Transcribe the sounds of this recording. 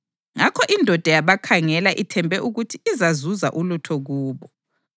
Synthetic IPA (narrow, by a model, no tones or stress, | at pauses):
ŋakʰɔʔindʱɔd̥ʱajaβakʰaŋɛlaʔitʰɛmbʱɛʔuɣutʰiːzazuza̰ʔulutʰɔɣuːβɔ